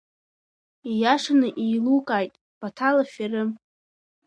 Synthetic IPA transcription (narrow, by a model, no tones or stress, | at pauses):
ijaʂanɨʔiːlukʼaːjtʼ | b̥atʰalafarɨ